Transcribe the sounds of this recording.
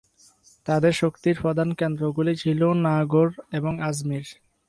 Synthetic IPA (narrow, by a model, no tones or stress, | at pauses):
t̪ad̪eɾʃokt̪iɾpɔd̪ʱankend̪ɾoɡulit͡ɕʰilonaɡoɾeboŋazmiɾ